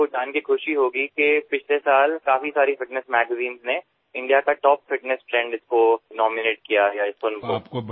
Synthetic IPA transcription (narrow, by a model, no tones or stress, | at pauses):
od͡ʒaːnkikʰʊʃiɦoːɡikepɪt͡ʃʰlesaːlkaːfisaːɾifɪʈnəsmɛːɡəziːnzne | ɪ̃ɳɖijakaʈɔːpfɪʈnɛsfɾɛ̃ːɳɖɪskonɔːmɪneːʈ̚kijajaɪskonkok